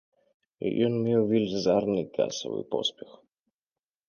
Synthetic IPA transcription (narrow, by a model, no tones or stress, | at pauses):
jɔnmʲewvʲilʲzarnɨka̰sɔ̰vɨ̰pɔ̰spʲɛx